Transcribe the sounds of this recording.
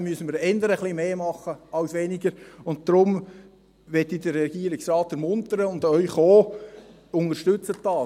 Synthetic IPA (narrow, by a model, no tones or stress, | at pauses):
myəsən̩miːɾɛndəɾəχlimeːmɑχəɑʊsʋɛnɪɡəɾʊnt̚d̥ɾʊm | ʋɛtːidəɾːɛɡiːəɾɪksrɑːtæɾmʊntəɾəʊndœʏχoː | ʊnəʃtʏt͡sətd̥ɑː